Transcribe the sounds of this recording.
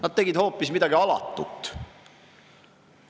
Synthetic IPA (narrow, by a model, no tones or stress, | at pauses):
nɑd̪̚t̪e̞ɡ̥id̪̥ho̞ːpːˑismid̪̥ɑɡiɑlɑ̰t̪ːˑṵt̪ːˑ